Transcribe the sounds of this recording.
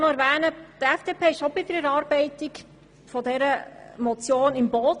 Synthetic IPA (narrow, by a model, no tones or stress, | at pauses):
nɔæɾʋæːnəd̥̪əɛfd̥eːpʰeːɪʃobɪd̥̪əɾɛɾɑːɾb̥ɛɪt̪ik | fɔdɛɾəmɔt͡sjoːnɪmboːt